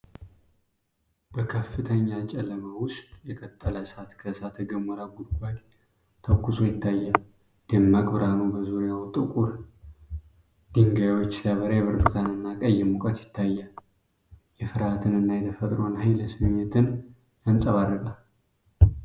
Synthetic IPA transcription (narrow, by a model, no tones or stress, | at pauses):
b̥əkʰəfːɨt̪ʰəɲːat͡ʃʼɛləmawʊst̪ʼjɛkʰət̪ʼːələsat̪kʰəsat̪ɡəmːəɾaɡud̪ɡʷaj | t̪ʰəkːuso̞jɪt̪ʰːajːal | d̪əmːakʼbɨɾanubəzuɾjawʊt̪ʼːɨkʼuɾ | d̪̥iŋɡajawot͡ʃːsjaβəɾajɛβɨɾbɨt̪ʰanɨnːakʼəjːɛmukʼət̪jɪt̪ʰːajːal | jɛfɨɾhat̪ʰɨnɨnːajɛt̪ʰəfət̪ʼɾonhajləsɨnmet̪ʰɨn | jansʼəβaɾːɨkʼal